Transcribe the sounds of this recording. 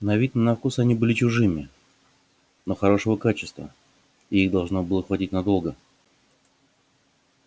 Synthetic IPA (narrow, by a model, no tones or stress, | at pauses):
nɐvʲit̪nənɐfkusɐnʲibɨlʲɪt͡ɕʊʐɨmʲɪ | noxɐɾo̞ʂəvəkat͡ɕɪst̪və̰ | ɪiɣd̪ɐlˠʐno̞bɨlˠəxvɐtʲitʲnɐd̪o̞lˠɡə